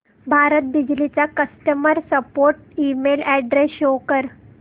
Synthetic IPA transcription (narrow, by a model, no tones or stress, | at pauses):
bʱaɾət̪̚bid͡ʑlit͡sakəsʈəməɾsəpoɾʈ̚imelɛɖɾesjokəɾ